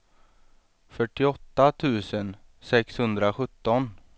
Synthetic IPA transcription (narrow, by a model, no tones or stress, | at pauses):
fœʈːɪɔt̪ːat̪ʰʉ̟ːsənsɛkshɵnd̪ɾaɧɵt̪ːɔn